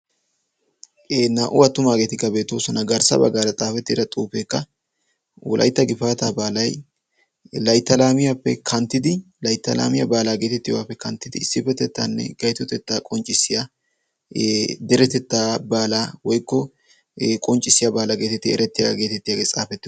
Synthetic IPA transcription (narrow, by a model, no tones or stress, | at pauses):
naːʔʊwɐt̪ːʊmaːɡe̞ːt̪ɪkːɐbe̞ːt̪ːoːsɔnɐɡɐɾsɐ̰bɐ̰ɡaːɾɐt͡sʼaːfɛt̪ːɪd̪ɐt̪ʼuːfeːkːɐ | wɔ̰lʔɐ̰jt̪ːɐɡɪfaːt̪aːbaːlɐj | lɐjt̪ːɐlaːmɪjapːɛ̰kʰɐnt̪ːɪd̪ɪ | lɐjt̪ːɐla̰ːmɪjɐbaːlaːɡe̞ːt̪ɛt̪ːɪjwaːpːɛkɐnt̪ːɪd̪ɪɪsːɪfɛt̪ːɛt̪ːaːnːɛ̰ɡɐjt̪ɔt̪ɛt̪ːaːkʼɔnt͡ʃʼːɪsːɪja | d̪ɛɾɛt̪ɛt̪ːaːbaːlaːwɔjkːɔ | kʼɔnt͡ʃʼɪsɪjabaːlaɡe̞ːt̪ɛt̪ːɪɛ̰ɾɛt̪ːɪja̰ɡe̞ːt̪ɛt̪ːɪjaːɡeːt͡sʼaːfɛt̪ːɪ